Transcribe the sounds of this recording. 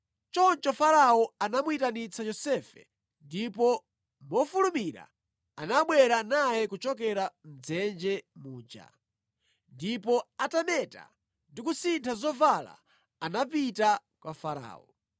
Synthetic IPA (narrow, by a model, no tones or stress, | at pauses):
t͡ʃɔnt͡ʃɔfaɾaɔanamwitanit͡sajɔsɛfɛ̰ | ndipɔ | mɔfulumiɾa̰ | anaɓwɛɾanajɛkut͡ʃɔk̬ɛɾam̩d͡zɛnd͡ʒɛmuːd͡ʒa̰ | ndipɔatamɛta̰ | ndikusintʰazɔvala̰ː | napitakwafaɾa̰ːɔ̰